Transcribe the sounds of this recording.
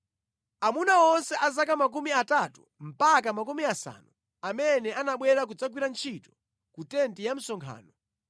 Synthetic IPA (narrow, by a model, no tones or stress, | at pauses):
amunaɔnsɛʔazakamak̬umiatatu | m̩pakamak̬umiasa̰nu | amɛnɛʔanaɓwɛɾak̬ud͡zak̬wiɾant͡ʃʰitɔ̥ | kutɛntijam̩sɔŋkʰa̰ːnɔ